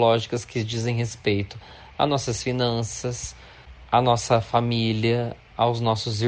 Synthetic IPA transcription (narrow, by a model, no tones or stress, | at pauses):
lɔʒikɐskɪd͡ʒizẽj̃ɦespejt̪ʊ | a̰nɔsɐsfinɐ̃sɐs | anɔsɐfamiliɐ | awznɔsʊzi